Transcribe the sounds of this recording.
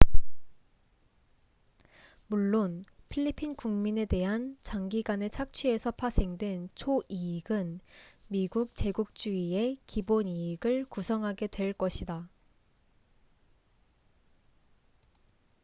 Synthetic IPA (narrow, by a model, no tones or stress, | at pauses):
muɭːonpʰiʎːipʰinkuŋmine̞de̞ɦant͡ɕaŋɡiɡane̞t͡ɕʰak̚t͡ɕʰie̞sʰʌpʰas͈ʰe̞ŋdwe̞nt͡ɕʰoʔiiɡɯnmiɡuk̚t͡ɕe̞ɡuk̚t͡ɕ͈uie̞kiboniːɡɯɭkusʰʌŋɦaɡe̞dwe̞ɭk͈ʌɕʰida